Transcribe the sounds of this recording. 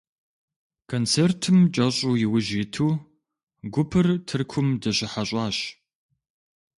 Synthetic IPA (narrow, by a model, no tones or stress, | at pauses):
kʰont͡sʰertʰɨmt͡ʃʼɐɕʼuːjɪwʊʒiːtʰuː | ɡʷʊpʰɨrtʰɨrkʷʰʊmdɐɕɪħaɕʼɑːɕ